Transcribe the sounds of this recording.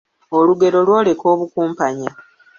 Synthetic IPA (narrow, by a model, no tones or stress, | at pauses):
o̞luɡe̞ɾo̞lwo̞ːle̞ko̞ːβukuːmpaɲa